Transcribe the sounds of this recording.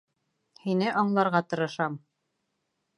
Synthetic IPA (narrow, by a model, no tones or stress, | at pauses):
hinɘʔɒɴlˠɑɾʁɑt̪ɤ̆ɾɤ̆ʃɑm